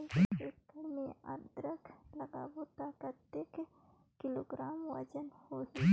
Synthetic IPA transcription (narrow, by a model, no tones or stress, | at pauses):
ekɐɽmia̰ɾd̪ɾəkʰlɐɡa̰boːt̪akɐt̪ekekɪloːɡɾaːmwɐ̰d͡ʒənhoɦi